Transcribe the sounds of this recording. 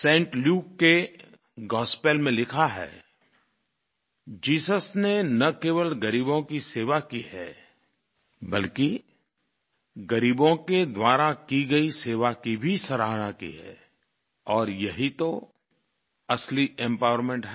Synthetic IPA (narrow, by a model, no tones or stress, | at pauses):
sẽːɳʈljuːkːe | ɡɔːspeːlmẽlɪkʰaɦɛ̰ː | d͡ʒiːsəsnenɐkeːʋəlɡɐɾiːbõkiseːʋakiɦɛː | bɐlki | ɡɐɾiːbõked̪waːɾakiɡəiseːʋakibʱisɐɾaːɦnakḭɦɛ̰ː | ɔːɾjɐɦit̪o | ɐsliɛ̃mpaːʊəɾmẽɳʈɦɛ